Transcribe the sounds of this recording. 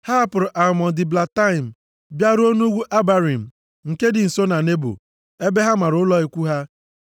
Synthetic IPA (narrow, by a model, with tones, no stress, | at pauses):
ha˦pʊ˨ɾɔ˨ʔa˨mɔ˨n˨dɪ˨bla˨ta˦ɪ˨m̩˨ | bja˦ɾo˦nu˦ɡʷu˦ʔa˦ba˦ɾi˨m̩˨ | ŋ̩˨ke˦dɪ˨n̩˨so˦na˨ne˦bo̰˨ | e˦be˦ɦa˦ma˨ɾʊ˨˦lɔ˦i˨kʷu˦ɦa˦